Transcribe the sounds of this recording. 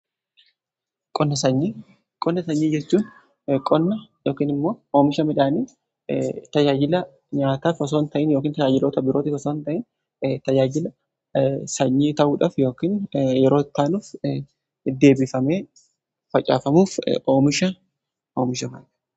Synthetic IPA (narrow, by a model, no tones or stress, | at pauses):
kʼɔnːɐsɐɲːi | kʼɔnːɐsɐɲːiːd͡ʒɛt͡ʃːuːn | kʼɔnːɐjoːkiːnɪmːo̞ːʔoːmɪʃɐmɪᶑaːniː | t̪ɐd͡ʒaːd͡ʒɪlɐ | ɲaːt̪aːfɔs̬oːnt̪ɐʔɪnjoːkiːnt̪ɐd͡ʒaːd͡ʒɪloːt̪ɐbɪɾoːt̪ɪfɔsoːnt̪ɐʔɪn | t̪ɐd͡ʒaːd͡ʒɪlɐ | sɐɲːiːt̪ɐʔuːᶑɐfjo̞ːkɪːnjɛɾo̞ːt̪ːaːnuːf | d̪e̞ːbɪfɐmeː | fɐt͡ʃʼa̰ːfɐmuːfo̞ːmɪʃɐ | oːmɪʃɐmɐɐ̥